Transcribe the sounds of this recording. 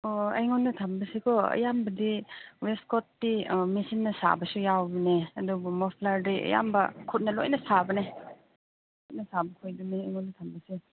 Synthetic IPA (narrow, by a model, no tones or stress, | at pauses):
oɐ̰jŋɔnːɐtʰɐmbɐsikʰɔɐ̰jambɐdiwestkɔtːimisinːɐsa̰bɐsujawbineɐdɔbɔmɔpʰlaɾdiʔɐ̰ja̰mbɐkʰut̚nɐlo̰jnɐsabɐne | kkʰut̚nɐsabɐkʰojduneɐjŋonːɐtʰɐmbɐse